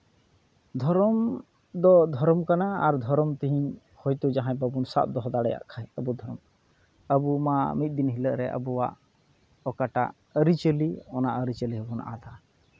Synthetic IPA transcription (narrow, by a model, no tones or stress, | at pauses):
d̪ʱɔɾɔm | d̪ɔd̪ʱɔɾɔmkanaːɾd̪ʱɔɾɔmt̪iɦiɲ | hɔjt̪ud͡ʒaɦãjbəbunsa̰ʔ̚d̪ɔɦɔd̪aɽɛja̰ʔkʰajəbud̪ʱɔɾɔm | əbumamit̪̚ˀd̪inɦiləʔɾɛʔə̰buwa̰ʔ | ɔkaʈa̰ʔ | əɾit͡ʃəliɔnaʔəɾit͡ʃəliɦəbɔnʔa̰d̪a